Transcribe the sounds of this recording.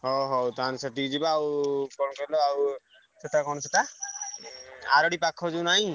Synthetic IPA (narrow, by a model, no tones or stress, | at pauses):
ɦɔɦɔt̪ansat̪id͡ʒibaːwkɔnɔkɔɾilɔaw | set̪akɔnɔset̪a | aɾɔɽipakʰɔd͡ʒunaɦĩ